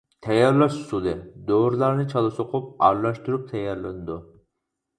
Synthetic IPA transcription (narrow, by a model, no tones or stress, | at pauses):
t̪ʰɛjɑɾlˠɑʃsud̪ɨd̪oɾlˠɑɾnɨt͡ʃʰɑlˠɨsʊqʰʊp̚ɑ̰ɾlˠɑʃt̪uɾup̚t̪ʰɛjɑɾlˠɨnɨd̪u